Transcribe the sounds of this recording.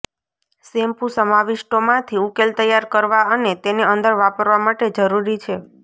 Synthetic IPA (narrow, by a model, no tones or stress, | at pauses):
sempusəmaʋɪʃʈomãt̪ʰiukelt̪əjaɾkəɾʋaənet̪eneənd̪əɾʋapəɾʋamaʈed͡ʒəɾuɾit͡ʃʰe